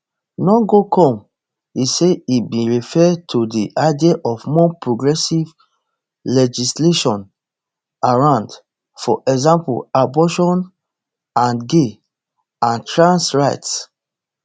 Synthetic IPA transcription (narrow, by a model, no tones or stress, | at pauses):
nɔɡokʰɔ̃m | iseibĩɹifɛtʰodiʔaɪdieʔɔfmɔpɹoɡɹɛsiv | lɛd͡ʒisleʃɔ̃n | aɹãʊ̃nd | fɔ̰ʔɛɡzãmpṵabɔʃɔ̃n | ãnɡe | ãntɹãnsɹaɪts